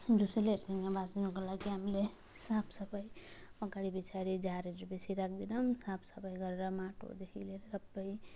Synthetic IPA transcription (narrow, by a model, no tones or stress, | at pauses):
d͡ʒuseleʈsə̃ŋɡabasinukəlakiəmle | sapʰsəpəjɔkaɾibit͡ʃʰaɾid͡ʒaɾeʈɾupesʰiɾak̚ʰd̪inəmsapʰsəpəjɡəɾɾamaʈo̰d̪ekʰileɾsəbːəj